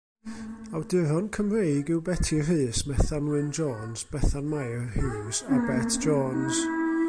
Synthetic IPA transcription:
awdɨɾɔnkʰəmrejɡɪwbɛtʰir̥ɨːsmɛθanwɨnd͡ʒɔːnzb̥ɛθanmajrhɨːsabɛtʰd͡ʒɔːns

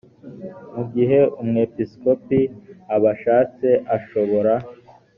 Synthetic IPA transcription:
muɡiɦe̞umŋe̞pisko̞piaβaʃaːt͡seʔaʃo̞βo̞ɾa

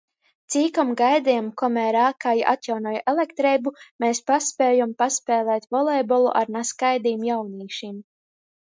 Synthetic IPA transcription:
t̪siːkamɡajd̪ɛjamkɔmɛːɾaːkajiʔa̰t̪jawnɔːjʔelˠɛkt̪ɾɛjbumeːspaspɛːjɔmpaspɛːlˠɛːt̪vɔlˠɛjbɔlˠṵʔa̰ɾnaskajd̪iːmjawniːʃim

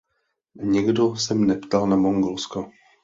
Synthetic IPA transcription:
ɲiɡdosɛmnɛpt̪alnamoŋɡolsko

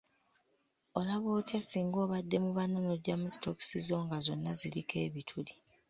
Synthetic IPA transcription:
o̞laβo̞ːcasiːŋɡo̞ːβadːe̞muβanonoɟamusi̥toki̥sizo̞ːŋɡazo̞nːazilikʰe̞ːβitʰuli

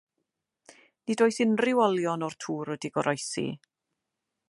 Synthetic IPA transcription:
nidoːjsɪnrɪwɔlˠjɔnɔrtʰuːɾɔdiɡɔɾʔɔjsḭ

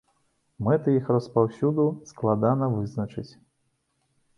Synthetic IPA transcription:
mɛt̪ɨjixrɐspawsʲud̪usklˠad̪anɐvɨznɐt͡ʂɨt͡sʲ

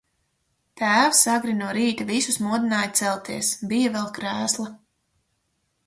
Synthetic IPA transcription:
t̪æːwsaɡɾinuɔɾiːt̪avisusmuɔd̪inaːjt̪sɛlˠt̪iɛsbijavɛlˠkɾæːslˠa

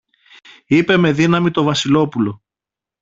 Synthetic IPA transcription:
ipe̞me̞ðinɐmit̪o̞vɐsilo̞pulo̞

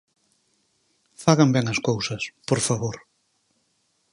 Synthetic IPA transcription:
faɣɐmbɛŋɐskowsɐspoɾfaβoɾ

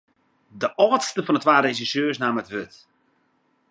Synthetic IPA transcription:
dəʔɔːtstəfɔnətʋaːɾezisøːsnaːmətʋøt

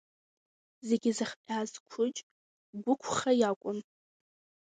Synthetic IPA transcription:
ze̞ɡʲɪzɨχpʲʼazkʷʰʊt͡ʃʼ | ɡʷʊkʷʰχajakʷʼʊn

